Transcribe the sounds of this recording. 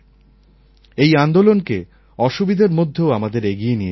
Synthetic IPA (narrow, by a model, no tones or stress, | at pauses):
ejand̪olonke | ɔʃubid̪ʱeɾmod̪ʱːeoamad̪eɾeɡijenie